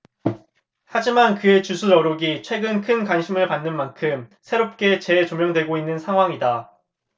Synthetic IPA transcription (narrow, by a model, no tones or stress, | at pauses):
had͡ʑimankɯe̞t͡ɕusʰuɾʌɾoɡit͡ɕʰwe̞ɡɯnkʰɯnkwanɕʰimɯɭpanːɯnmankʰɯmsʰe̞ɾop̚k͈e̞t͡ɕe̞t͡ɕomjʌŋdwe̞ɡoinːɯnsʰaŋɦwaŋida